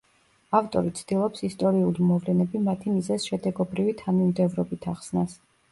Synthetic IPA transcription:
aft̪ʼɔɾit̪sʰd̪̥ilˠɔpsist̪ʼɔɾiulimɔvlɛnɛbimat̪ʰimizɛsʃɛd̪ɛɡɔbɾivit̪ʰanimd̪ɛvɾɔbit̪ʰaχsnas

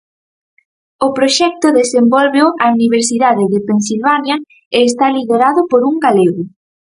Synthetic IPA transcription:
ʊpɾoʃɛk̚t̪ʊðesembɔlβeoauniβeɾsiðaðɪðepensilβanjɐ | eːst̪aliðeɾaðʊpoɾuŋɡaleɣʊ

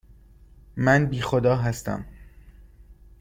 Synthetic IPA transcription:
mænbiːxod̪ɒːɦæst̪æ̰m

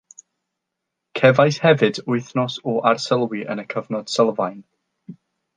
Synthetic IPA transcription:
kʰɛvajshɛvɨdʊɨθnɔsɔʔarsəlˠwiʔə̰nəkʰəvnɔd̥səlˠvajn

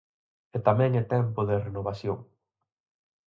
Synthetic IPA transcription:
et̪amɛ̃ŋet̪ɛmpoðerenoβ̞asjoŋ

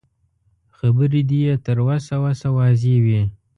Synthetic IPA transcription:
xabəɾid̪ijet̪əɾwasawasawɑzewi

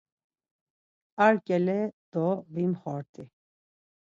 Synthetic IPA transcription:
aɾkʼɛlɛd̪̥ɔvimχɔɾt̪ʼi

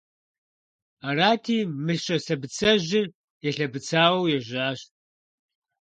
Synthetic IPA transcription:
araːtʰiːmɨɬɕʼɐsɐbɨt͡sʰɐʑɪr | jɛɬɐbɨt͡sʰaːwwjɛʑaːɕtʼ

